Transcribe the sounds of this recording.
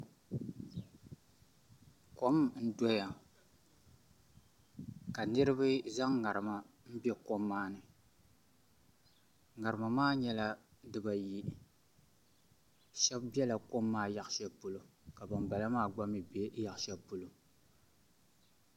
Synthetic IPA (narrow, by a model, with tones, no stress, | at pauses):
ko˦m˨n̩˦dɔ˦ja˨ | ka˨nɨ˦ɾɨ˦bɨ˦za˦ŋŋa˨ɾɨ˨ma˨ | m̩˦bɛ˦ko˦mːaː˦nɨ˨ | ŋa˨ɾɨ˨ma˨maː˦ɲɛ˦la˦ | dɨ˨ba˨ji˨ | ʃɛ˦bbɛ˦la˨ko˦mːaː˦ja˨ʔʃɛ˦pʊ˦lo˨ka˨ba˨nba˨la˦maː˦ɡ͡ba˦mi˨bja˨ʔʃɛ˦pʊ˦lo˨